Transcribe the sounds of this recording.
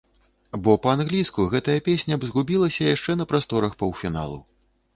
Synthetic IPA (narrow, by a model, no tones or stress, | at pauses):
bɔpɐanɣlʲiskuɣɛt̪ɐjɐpʲesʲnʲɐbzɣubʲilˠɐsʲɐjaʂt͡ʂɛnɐpɾast̪ɔɾɐxpɐwfʲina̰lˠṵ